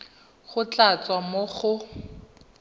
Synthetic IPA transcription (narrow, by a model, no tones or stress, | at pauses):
χʊt͡ɬat͡swamoχʊ